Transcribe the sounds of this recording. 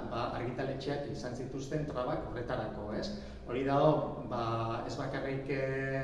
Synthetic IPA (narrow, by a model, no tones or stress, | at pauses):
baaɾɣit̪alet͡ʃeakisansit̪ust̪e̞nt̪ɾaβako̞ret̪aɾako̞e̞s | o̞ɾiðaɣo̞ | bae̞zβakarik